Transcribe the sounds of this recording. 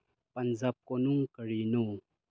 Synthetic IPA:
panzap̚konuŋkəɾinu

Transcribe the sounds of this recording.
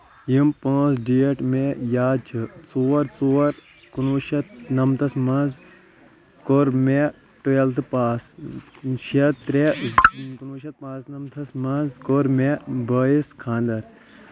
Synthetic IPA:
jimpõːsɖijɐʈmejaːt͡ʃʰɨt͡suːɐɾt͡suːɐɾ | kunuʃɐt̪̚nɐmt̪ʰɐsmɐ̃nz | koɾme | ʈojelt̪ɨpaːs | ʃet̪ɾekunuːʃɐt̪̚paːsnɐmt̪ʰɐsmɐnzkoɾmebɐːiskʰãːnd̪ɐɾ

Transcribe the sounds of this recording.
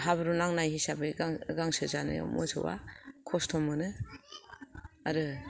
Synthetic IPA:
ɦaβɯɾunaŋnajhisabeɡaɡaŋsɯzanɯ̰mṵsʰɯ̰wa̰kʰɔstʰɔmɯnɯ | aɾɯ

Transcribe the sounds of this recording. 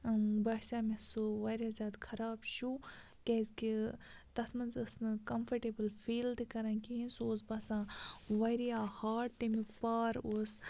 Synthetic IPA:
baːʃaːmesoʋɐɾjaːzʲaːd̪kʰɐɾaːbʃu | kezkit̪ɐt̪ʰmɐnzɨsnɨkɐmfʰɐʈeːbɨlfiːld̪kɐɾɐ̃nkiɦĩnsoːsbɐsãːʋɐɾjahaːʈ̚t̪emikpaːɾoːs

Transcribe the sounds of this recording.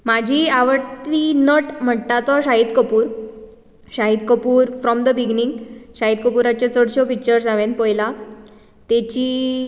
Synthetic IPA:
mad͡ʑʱiːaʋəɽt̪inɔʈm̤əʈt̪at̪ɔɕaɦid̪kəpuːɾ | ɕaɦid̪kəpuːɾfɾɔmd̪əbiɡniŋɡɕaɦid̪kəpuɾat͡ɕjat͡sɔɽɕɔpik̚t͡ɕəɾd͡zaʋẽnpəjla | t̪et͡ɕiː

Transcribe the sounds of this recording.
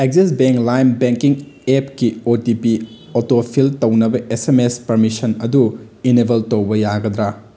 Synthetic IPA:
ek̚zisbeŋklajmbeŋkiŋepkiotipi | otopʰiltɐwnɐbɐʔesemespɐɾmisɐnɐdu | inebʱɐltɐwbɐjaɡɐd̪ɾa

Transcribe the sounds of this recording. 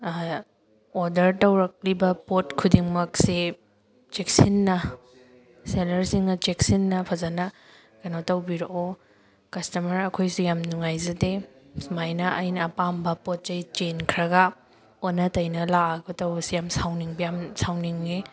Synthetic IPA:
oɾdɐɾtɐwɾɐk̚libɐpotkʰudiŋmɐksi | t͡ʃeksinːɐ | selɐɾsiŋnɐt͡ʃeksinːɐpʰɐzɐnɐ | kɐnotɐwbiɾoʔo | kɐstɐmɐɾɐkʰojsujamnuŋajzɐdesmajnɐʔɐjnɐːpambɐpot̚t͡ʃɐjt͡ʃenkʰɾɐɡɐ | onɐtɐjnɐlaaɡotɐwbɐsijamsawniŋbɐjamsawniŋːe

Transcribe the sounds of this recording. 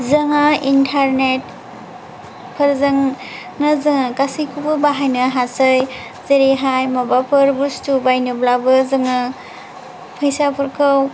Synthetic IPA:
zɐŋaintʰaɾnet̚ | pʰɐɾzɯŋ | nazɯŋakasikʰubɯbaɦajnɐɦasaj | zeɾeɦajmabapʰɯɾbustubajnɯblabɯzɯŋa | pʰəjsapʰɯɾkʰɯw

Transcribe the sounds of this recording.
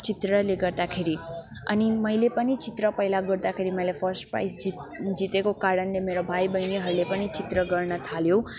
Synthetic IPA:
t͡ʃit̪rʌleɡʌrd̪akʰeɾi | ʌ̰nimʌjlepʌnit͡sit̪rʌpʌjlaɡʌɾd̪akʰeɾimʌjlapʰʌɾsʈpɾa̰jsd͡zit̪ekokaɽʌnlemeɾobʱajbʌjniɦʌɾulepʌnit͡sit̪rʌɡʌrnʌt̪ʰaljo

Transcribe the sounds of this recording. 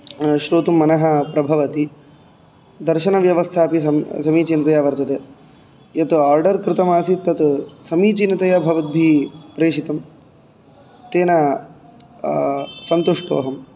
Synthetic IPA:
ʃɾoːt̪umːɐnɐɦɐpɾɐbʱɐʋɐt̪i | d̪ɐɾʃɐnɐʋjɐʋɐst̪ʰaːpiɐmsɐmiːt͡ʃinɐt̪ɐjaːʋɐɾt̪ɐt̪e | jɐt̪aːɾɖɐɾkɾɪt̪ɐmaːsit̪ːɐt̪sɐmiːt͡ʃinɐt̪ɐjɐbʱɐʋɐt̪̚bʱipɾeːʃit̪ɐm | t̪eːnɐ | sɐnt̪uʂʈo̰ːɦɐm

